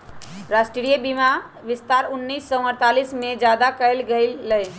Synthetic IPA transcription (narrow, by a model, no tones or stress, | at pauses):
ɾasʈɾiɾijəbima | ʋist̪aɾunːisːɔ̃əɾt̪alismed͡ʒjad̪akəɪlɡəɪlːəj